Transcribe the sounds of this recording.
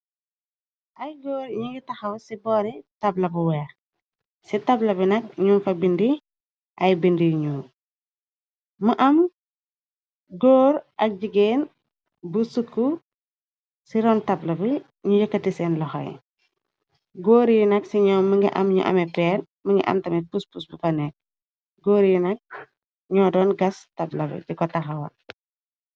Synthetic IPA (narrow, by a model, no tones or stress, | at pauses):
ʔɐjɡoːɾɲuŋɡitɐxɐwsibɔːɾitɐblɐbuwɛːx | sitɐblɐbinɐk̚ɲunfɐbindi | ʔɐjbindiɲu | mɐʔɐm | ɡoːɾʔɐk̚ɟiɡen | busukːu | siɾɔːntɐblɐbi | ɲujɐkːɐtisɛnlɔxɐ̰j | ɡoːɾinɐksiɲɔːməŋɡḭʔɐ̰mɲṵʔɐ̰mɛpɛːn | məŋɡḭʔɐ̰mtɐmɛpuspusbukɐnɛk̚ | ɡoːɾinɐk̚ | ɲɔːdɔːnɡɐstɐblɐbḭdikɔtɐxɐwɐ̰